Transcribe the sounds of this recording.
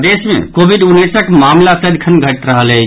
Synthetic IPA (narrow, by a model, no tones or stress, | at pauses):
d̪esmḛ̃kobʱiɖunːisəkmamlasəd̪kʰənɡʱəʈɾəɦəlɛ